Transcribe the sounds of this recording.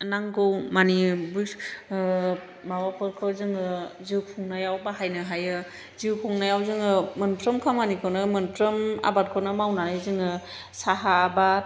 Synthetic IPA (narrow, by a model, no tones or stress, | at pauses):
naŋɡɯwmanibus | bawapʰɯɾkʰɯwzɯŋɯziwpʰɔŋnajawbaɦajnɯɦajɯ | ziwpʰɔŋnajawzɯŋɯmɯnpʰɾɯmkʰamanikʰɯnɯmɯnpʰɾɯma̰bat̚kʰɔnɯmawnaizɯŋɯ | saɦaːbat̚